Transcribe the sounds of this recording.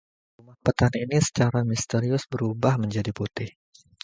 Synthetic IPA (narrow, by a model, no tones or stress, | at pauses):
rrumahpət̪aninisə̥t͡ʃaɾamist̪eɾiʊsbəɾubahməɲd͡ʒadiput̪ɪh